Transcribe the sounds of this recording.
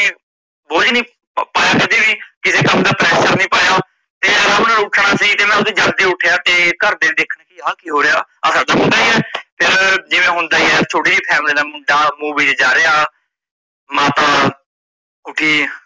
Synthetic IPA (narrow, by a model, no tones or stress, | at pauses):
boːd͡ʒnĩː | paːjaːkəd̪iːʋiːkɪseːkəmd̪aːpɾɛːʃəɾnĩːpaːjaː | t̪eːənaːʊʈʰɳaːsiːt̪eːmɛ̃ːʊsʰeːd͡ʒəɡd̪eːʊʈʰejaːt̪eːkəɾd̪eːiːd̪eːkʰnaːkiɦãːkiːɦoːɾejaːəsaːɖ̪aːɦʊ̃nd̪aːiːɦɛːpʰɪɾd͡ʒɪʋẽːɦʊ̃nd̪aːiːɛːt͡ʃʰoːʈiːniːpʰɛːmliːd̪aːmʊɖaːmuːbiːd͡ʒd͡ʒaːɾeːaː | maːt̪aː | ʊʈʰiː